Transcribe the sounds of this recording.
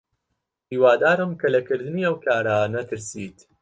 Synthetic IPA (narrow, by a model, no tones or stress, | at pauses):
iwaːd̪aːɾɐmkɛlɛkɪɾd̪nijɐwkaɾaːnɐt̪ɪɾsiːt̪